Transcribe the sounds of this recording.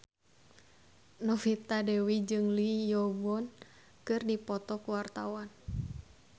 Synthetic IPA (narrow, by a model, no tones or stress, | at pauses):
nɔfit̪adɛwid͡ʒɨŋlijɔbuɔn | kɨrdipɔt̪ɔkuwart̪awan